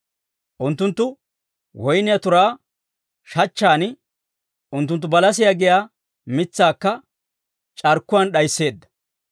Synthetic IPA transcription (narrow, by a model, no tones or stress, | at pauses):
ʔʊnt̪ːʊnt̪ːʊ | wɔjnɪjɐt̪ʊɾaː | ʃɐt͡ʃːaːnɪ | ʔʊnt̪ːʊnt̪ːʊbɐlɐsɪjɐɡɪjaː | mɪt͡sːaːkːɐ | t͡ʃʼɐɾkːʊwɐnɗɐjsːe̞ːd̪ːɐ̥